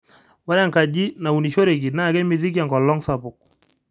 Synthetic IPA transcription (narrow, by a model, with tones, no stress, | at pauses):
wa˦ɾa˦ŋka˨d͡ʒi˦na˨u˨ni˨ʃo˦ɾe˨k̬i˨na˦˨kɛ˦mi˨ði˦k̬ja˨ŋɡɔ˨lɔ˦ŋsa˨pʊ˨k̚